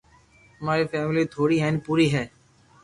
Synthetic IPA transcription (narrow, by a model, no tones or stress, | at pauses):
ɦəmaːɾiːfɛːmlit̪ʰoːɽiːɦɛːnipuːɾiːɦɛː